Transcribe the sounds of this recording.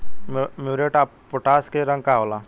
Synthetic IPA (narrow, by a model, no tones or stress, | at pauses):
muːɾeːʈaːppʊʈaːskeɾɐ̃ŋɡkaːwlaː